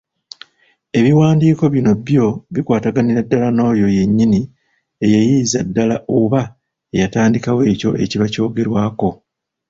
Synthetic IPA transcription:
e̞βiwaːndiːko̞βino̞bjo̞βikwaːtaɡaniɾadːalano̞ːjo̞je̞ɲːini | ejajiːzadːalaʔoβa | ejataːndikawe̞ːco̞̰e̞̰ciβaco̞ːɡe̞ɾwaːko̞

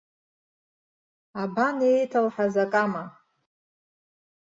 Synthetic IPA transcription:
abanejtʰalħazakʼama

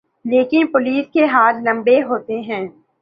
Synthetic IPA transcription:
leːkɪnpʊliːskeɦaːllɐ̃mbeɦoːt̪eɦɛ̃ː

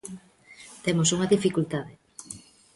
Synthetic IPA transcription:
t̪emosuŋɐðifikult̪aðe

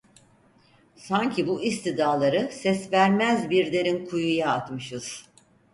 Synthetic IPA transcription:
saɲcʰibuist̪id̪aːlˠaɾɯsɛsvæɾmæzbiɾd̪eɾinkʰujujaːt̪mɯʃɯz̥

